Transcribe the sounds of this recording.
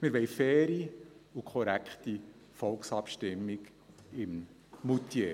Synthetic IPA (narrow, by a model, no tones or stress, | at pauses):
mɪɾʋɛɪfɛːɾiukʰɔɾækχti | fɔlksɑpʃtɪmːɪk | ɪm | mut̪je